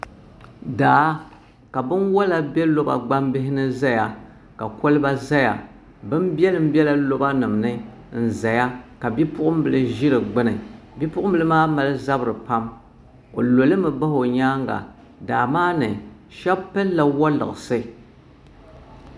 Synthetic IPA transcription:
daː˨˦ | ka˨bɨ˦nwɔ˦la˦bɛ˦lo˦ba̰˨ɡ͡ba˦mbɪ˦ɦɪ˦nɨ˦za˦ja˨ | ka˨ko˦lɨ˦ba˦za˦ja̰˨ | bɨ˦mbɛ˦lɨ˨m̩˦bɛ˦la˦lo˦ba˦nɨ˨mnɨ˦ | n̩˨za˨ja˦ka˨bi˦pʊ˦ʔʊ˦m˦bɨ˨lɨ˦ʒi˦ɾɨ˨ɡ͡bɨ˦nɨ˨ | bi˦pʊ˦ʔʊ˦m˦bɨ˦˨lɨ˦maː˦ma˨lɨ˦za˦bɨ˨ɾɨ˨pa˦m | o˨lo˨lɨ˦mɨ˨ba˦ho˨ɲaː˦ŋɡa̰˨ | daː˨maː˦nɨ˨ | ʃɛ˦bpɛ˦lːa˨wɔ˦lɨ̰˨ʔsɨ˦

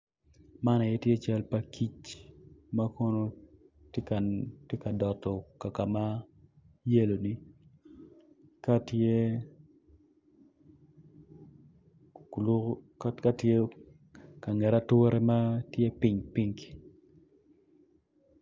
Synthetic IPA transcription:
ma˦na˨je˦tje˦t͡ʃɛ˦lpa˨ki˦t͡ʃ | ma˦ko˦no˦ | tka˨tje˦ka˨dɔ˨tɔ˨ka˨ka˨ma˦ | je˦lo˨ni˦ | ka˦te˦˨ | l | ka˦tje˦ | ka˨ŋɛ˨ɾa˦two˦ɾe˦ma˦tje˦pi˦ɲpi˦ŋk

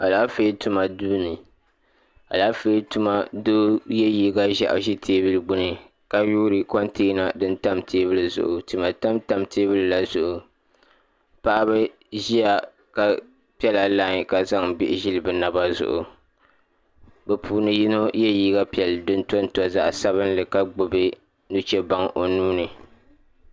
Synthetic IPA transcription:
a˨laː˦fe˦tu˦ma˨duː˦nɨ˨ | a̰˨laː˦fe˦tu˦ma˦doː˦jɛ˦jiː˦ɡa˦ʒa̰˨ʔʒi˦tʰeː˦bɨ˦lɨ˨ɡ͡bʊ˦nɨ˨ | ka˨juː˦ɾɨ˨kɔ˦nteː˦na˨dɨ˦nta˦mtʰeː˦bɨ˦lɨ˨zʊ̰˨ʔʊ˨tu˨ma˨ta˦mta˦mteː˦bɨ˦lɨ˨la˦zʊ˦ʔʊ˨ | pa˦ʔa˦bɨ˦ | ʒi˦ja˨ | ka˨ | pi˦ɛ˦la˨laː˦ɲ˨ka˨za˦ŋbi˦ʔɪ˦ʒi˦lɨ˨bɨ˨na˨ba˦zʊ̰˨ʔʊ̰˨ | bɛ˨puː˨nɨ˨ji˦no˦jɛ˦jiː˦ɡa˦pi˦ɛ˨ldɨ˦n˦tɔ˦n˦tɔ˦za̰˦ʔsa˦βɨ˦nlɨ˨ka˦ɡ͡bo˨be˦ | nu˦t͡ʃɛ˦ba˦ŋʔo˨nuː˦nɨ˨

